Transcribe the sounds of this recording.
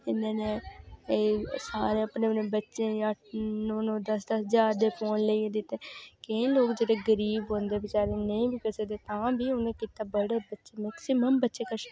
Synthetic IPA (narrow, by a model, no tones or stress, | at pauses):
ɪnːãːnẽːeːsaːɾeːəpneːnẽːbətːʃẽːjãːnonõːd̪əsd̪əsd͡ʒaːd̪eːpʰoːnleiẽːd̪ɪt̪ːeːkẽːloːkd͡ʒeːɽeːɡəɾiːbɦõːnd̪eːbɪt͡ʃaːɾeːnəĩːbiːkɛseːd̪eːt̪ãːbiːʊnẽːkiːt̪aːbəɽeːbətːʃeːmɛːksɪməmbətːʃeːkəʃ